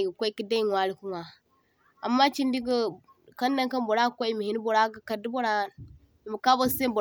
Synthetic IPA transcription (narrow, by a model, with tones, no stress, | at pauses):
ɡə˨kʷa˦i˦ki˦da˦i˦ŋwa˦li˨ku˦ŋa˨ | a˨mːa˦t͡ʃi˦ndi˦ɡə˦ | ka˦n˦da˦ŋka˦nbo˨ɾa˦kʷa˦i˦mi˨hi˦n˦bo˨ɾa˦ɡə˦ka˨di˦bo˦ɾa˦˨n | i˨mu˨ka˦ba˦se˦bo˨